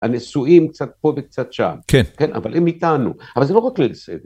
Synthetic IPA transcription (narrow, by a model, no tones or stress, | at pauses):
a̰nesuimk̚t͡sat̪̚po̞vek̚t͡sat̪ʃa̰mkʰenkenʔa̰valʔemit̪anṵavalzelo̞ʁaklesḛ